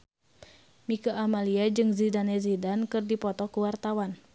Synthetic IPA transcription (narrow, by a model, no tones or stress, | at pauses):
mikaʔamaliad͡ʒɨŋzidanɛzidankɨrdipɔt̪ɔkuwart̪awan